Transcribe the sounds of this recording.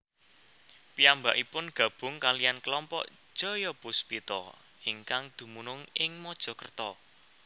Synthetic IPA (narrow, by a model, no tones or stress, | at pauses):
piambaʔipʊnɡ̥ä̤b̥ʊ̤ŋkalijankəlɔmpɔ̰ʔʒ̥ɔ̤jɔpuspit̪ɔ̰ | ɪŋkaŋd̪̥ṳmunʊŋɪŋmɔd̥ʒ̥ɔ̤kərt̪ɔ